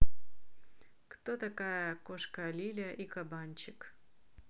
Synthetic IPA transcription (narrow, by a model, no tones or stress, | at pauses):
kt̪ot̪ɐkajəkoʂkɐlʲilʲəʔikɐbanʲt͡ɕɪk